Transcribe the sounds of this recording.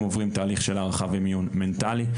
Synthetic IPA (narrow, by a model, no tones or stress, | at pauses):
movʁimt̪aːliχʃelaʁaχavimjunment̪ali